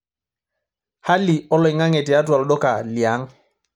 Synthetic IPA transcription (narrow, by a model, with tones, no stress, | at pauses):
ha˦li˨ɔ˦lɔ˨jŋa˦ŋɛ˨ti˨a˦t̬wa˨lɗɔ˦ka˨li˨a˨˦ŋ